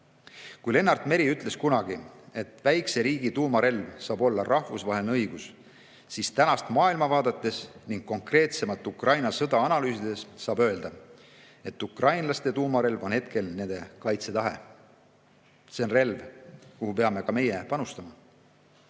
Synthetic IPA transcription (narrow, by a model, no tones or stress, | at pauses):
kujle̞nːɑrd̪̥me̞ɾiyt̪ˑle̞skunɑɡ̥ie̞t̪ːˑvæjkse̞ɾiːɡit̪uːmɑɾe̞lvsɑːbo̞lːɑrʔɑhvusvɑɦelneɤjɡ̥us | sist̪ænɑst̪mɑːilmɑvɑːd̪̥ɑt̪ːˑe̞sniŋɡ̥kːo̞ŋkre̞ːt̪se̞mɑt̪ːˑukrɑjnɑsɤd̪ɑɑnɑlyːsid̪̥e̞sːɑːbø̞eld̪̥ɑ | e̞t̪ːukrɑjnlɑst̪e̞t̪uːmɑɾe̞lvo̞nhe̞t̪̚ke̞lne̞nd̪e̞kɑjt̪se̞t̪ɑɦe̞̰ | se̞nre̞lvkuhupe̞ɑme̞kɑme̞je̞pɑnust̪ɑmɑ